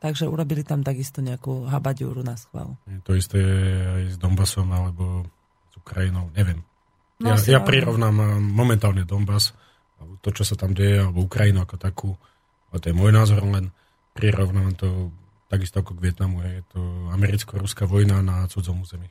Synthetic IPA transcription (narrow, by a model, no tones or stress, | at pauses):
t̪aɡʒɛṵɾɔbilit̪amt̪aɡist̪ɔɲɛakuːɦabaɟṵːɾunasxʋa̰luɦɛt̪ɔist̪ɛɦɛjzd̪ɔmbasɔmalɛbɔ | z̥ukɾainɔʊɲɛʋɪɛm | jajapɾiɾɔʋnamaamːɔmɛnt̪aːlɲɛd̪ɔmbas | at̪ɔt͡ʃɔsat̪amɟɛjɛalɛbɔukɾainuʊakɔt̪akʰuː | aɛt̪ɔjɛmɔjnaːzɔɾlɛn | pɾiɾʔɔʋnaʋamt̪ɔ | t̪aɡist̪ɔakɔɡʋɪɛt̪namuɦɛjɛt̪ɔamɛɾit͡skɔɾuskaʋɔjnanat͡sud͡zɔmuːzɛmi